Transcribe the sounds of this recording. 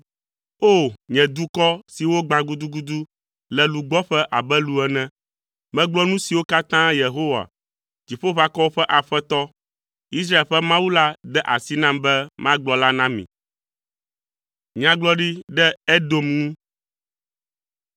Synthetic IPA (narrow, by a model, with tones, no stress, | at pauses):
o˦˨ɲɛ̃˨d̪u˦kɔ˦si˨wo˦ɡ͡bã˨ɡu˦d̪u˦ɡu˦d̪u˦ | lɛ˨lu˨ɡ͡bɔ˦ɸɛ˦ʔa˨bɛ˦lu˨ɛ˨nɛ̃˦ | mɛ̃˦ɡ͡blɔ˦nũ˦si˨wo˦ka˦t̪ã˦je˨ɦo˦wa̰˨ | d͡ʒi˨ɸo˦βa˦kɔ˦wo˦ɸɛ˦ʔa˨ɸɛ˦t̪ɔ˦ | i˦s̬ɾa˦e˨lɸɛ˦mã˦wu˦la˦d̪ɛ˦ʔa˨si˦nã˦mbɛ˦mã˦ɡ͡blɔ˦la˦nã˦mḭ̃˨ | ɲã˨ɡ͡blɔ˦ɖi˦ɖɛ˦ɛ˦d̪o˦mnũ˦